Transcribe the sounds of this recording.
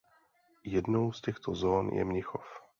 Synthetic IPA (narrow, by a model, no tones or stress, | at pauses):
jɛdnowscɛxt̪ozoːnjɛ̰mɲɪxof